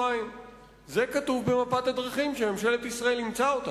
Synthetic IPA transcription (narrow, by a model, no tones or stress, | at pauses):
aim | ze̞kat̪uvbe̞mapat̪ad̪ʁaχimʃeme̞mʃe̞let̪isʁɐe̞limt͡saot̪a